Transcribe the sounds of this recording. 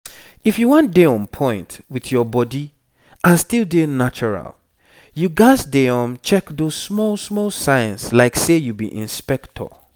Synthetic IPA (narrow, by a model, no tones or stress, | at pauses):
ifjuwɔ̃ntdeɔ̃npʰɔ̃ɪ̃ntwiθjɔbɔdi | ãnstilˠdenat͡ʃɔɹa̰l | juɡasdeɔ̃mt͡ʃɛkðoz̥smɔlˠsmɔlˠsaɪə̃nslaɪksejubḭʔḭ̃nspɛktʰɔ̰